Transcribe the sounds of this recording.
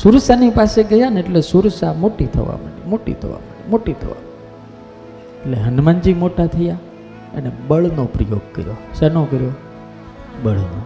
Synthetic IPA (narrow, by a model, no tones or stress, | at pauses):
suɾsanipaseɡəjaneʈlesuɾsamoʈit̪ʰə̰ʋa̰məɽḭmoʈḭt̪ʰə̰ʋa̰məɳḭmoʈit̪ʰə̰ʋa̰m | eʈleɦənmand͡ʒimoʈat̪ʰəja | ḛnebəɭnopɾəjoɡ̚kə̰ɾjosɛnokəɾjo | bəɭno̰